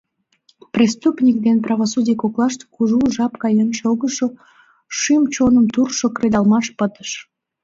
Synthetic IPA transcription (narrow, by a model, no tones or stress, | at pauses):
prʲest̪upnʲik̚d̪enprɑβosudʲijkoklɑʃt̪kuʒuʒɑpkɑjənʃoɣəʃo | ʃymt͡ɕonəmt̪urʃokred̪ɑlmɑʃpət̪ə̥ʃ